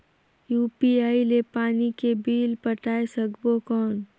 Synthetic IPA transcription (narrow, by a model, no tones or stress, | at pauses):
juːpiaːilepaːnikebiːlpɐʈaːesɐɡbokɔːn